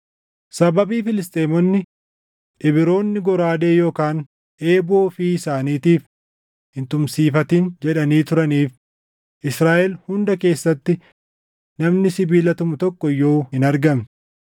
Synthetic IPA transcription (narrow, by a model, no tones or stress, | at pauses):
sɐbɐbiːfɪlɪst̪ʼeːmɔnːɪ | ᶑɪbɪɾo̞ːnːɪɡɔɾaːd̪e̞ːjo̞ːkaːn | ʔeːboːfiːɪsaːniːt̪iːf | ɪnt̪ʊmsiːfɐt̪ɪnd͡ʒɛᶑɐniːt̪ʊɾɐniːf | ʔɪsɾaːʔɛlhʊnd̪ɐke̞ːsːɐt̪ːɪ | nɐmnɪsɪbiːlɐt̪ʊmʊt̪ɔkːɔjːoːhɪnɐɾɡɐm